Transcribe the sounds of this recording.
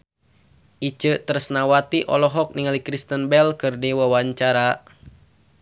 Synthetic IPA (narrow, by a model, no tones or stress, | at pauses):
ʔit͡ʃət̪əɾsnawat̪iʔɔ̰lɔɦɔk̚niŋalikɾist̪ənbɛlkɨrdiwawaɲt͡ʃaɾa